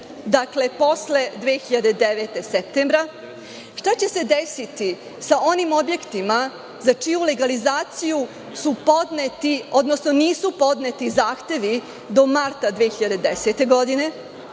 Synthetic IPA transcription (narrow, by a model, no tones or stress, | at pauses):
d̪akle̞po̞sle̞d̪ʋeːxiʎad̪e̞d̪eʋet̪e̞sep̚t̪embɾa | ʂt̪at͡ɕe̞se̞d̪esit̪i | saʔo̞nimo̞bje̞kt̪ima | zat͡ʂijuleɡalizaːt̪siju | supo̞d̪net̪io̞d̪nosno̞niːsupo̞d̪net̪izaːxt̪e̞ʋi | d̪o̞maɾt̪ad̪ʋeːxiʎad̪e̞d̪eset̪e̞ɡo̞d̪ine̞